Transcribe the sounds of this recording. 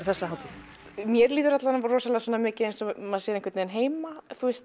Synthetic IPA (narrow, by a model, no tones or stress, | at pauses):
ɾ̥θɛsːahaːwt̪ʰi | mjɛɾliːðʏɾat̪laanrɔːsalasɔːnːamɪːcɪejnsɔmːaðsɛːɾeŋkvɾt̪nɛːðɪnɦeːjmaθuɛst̪